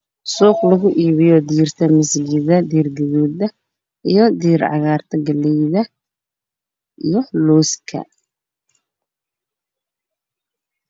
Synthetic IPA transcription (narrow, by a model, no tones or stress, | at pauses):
sɔːqlɐɣʊʔiːβɪjɔd̪iːrt̪ʰɐmɪsɡɪðɐd̪iːrɡɐðuːd̪ɐ | ʔijɞd̪iːɾʕɑ̰ɣaːrt̪ʰɐɡɐlɛjðɐ | ʔijɔlɔːskʰɐ̰